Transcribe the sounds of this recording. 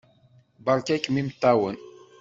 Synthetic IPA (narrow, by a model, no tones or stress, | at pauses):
bɑɾˤkækːmimt̪ːæwən